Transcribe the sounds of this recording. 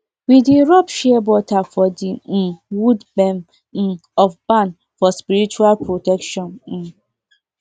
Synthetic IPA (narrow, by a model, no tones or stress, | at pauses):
widiɾɔpʃɛɛbɔtafɔdim̩wudbɛn | m̩ɔfbãn | fɔspiɾit͡ʃualpɾotɛkʃɔ̃n̩